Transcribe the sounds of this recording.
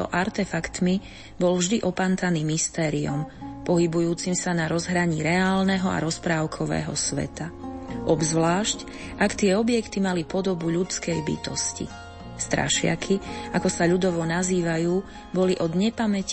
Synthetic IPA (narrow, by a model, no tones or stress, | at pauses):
ɔ̰ʔaɾt̪ɛfakt̪mi | bɔlvʒd̪iʔɔpant̪aniːmist̪ɛːɾiɔmpɔɦibujuːt͡simsanaɾɔzɦɾaɲiːɾɛaːlnɛɦɔa̰ɾɔspɾaːʊkʰɔʋɛ̰ːɦɔ̰sʋɛ̰t̪aʔɔbzʋlaːʃc | ʔakt̪ɪɛɔbɪjɛkt̪imalipɔd̪ɔbuʎut͡skɛjbḭt̪ɔscḭ | st̪ɾa̰ʃɪa̰kʰiakɔsaʎud̪ɔʋɔnaziːʋajuː | bɔliʔɔd̪ɲɛpamɛc